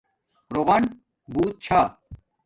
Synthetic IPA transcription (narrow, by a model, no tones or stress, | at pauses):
ɾoʁɐn | buːt̪̚t͡ɕʰaː